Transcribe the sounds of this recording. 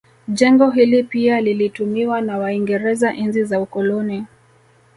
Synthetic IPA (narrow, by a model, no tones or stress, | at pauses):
ʄɛŋɡɔɦilipialilitumiwanawaiŋɡɛɾɛzaʔinzizaukɔlɔni